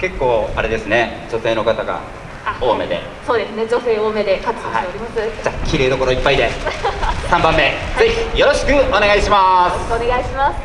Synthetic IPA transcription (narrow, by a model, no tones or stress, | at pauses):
ke̞kːo̞ːaɾe̞d̪e̞sɨne̞d͡ʑo̞t̪e̞ːno̞kat̪aɡa̰ | oːme̞d̪e̞̰ | so̞ːd̪e̞sɨne̞d͡ʑo̞se̞ːoːme̞d̪ekat͡sɨ̥iate̞oɾʲimasɨd͡ʑaːkʲiɾe̞ːd̪o̞ko̞ɾo̞ipːaid̪e̞ | sãmbãmːe̞ze̞çijo̞ɾo̞ɕi̥kɯ̟o̞ne̞ɡaiɕimaskoːneɡaiɕimas